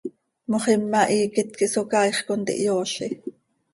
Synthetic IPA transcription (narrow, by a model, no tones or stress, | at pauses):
moχimːɑʔiːkɪt̪̚kiʔsokɑːjχkont̪ḭʔjoːɬi